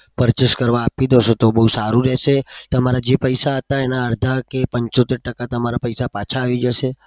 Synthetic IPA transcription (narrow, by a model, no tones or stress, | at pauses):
pəɾt͡ʃəʃkəɾʋaːpid̪oʃot̪obəɦusaɾũɾɛʃet̪əmaɾad͡ʒepəjsaɦət̪aenaəɾd̪ʱakepəɲt͡ʃot̪eɾʈəkat̪əmaɾapəjsapat͡ʃʰaːʋid͡ʒəʃe